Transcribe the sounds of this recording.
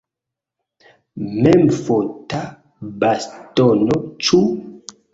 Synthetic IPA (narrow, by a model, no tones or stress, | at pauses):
mɛmfota | bastɔnɔt͡ʃu